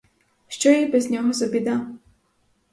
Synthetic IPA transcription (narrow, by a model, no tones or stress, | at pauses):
ʃt͡ʃɔjibɛzʲnʲɔɦɔzɐbʲid̪a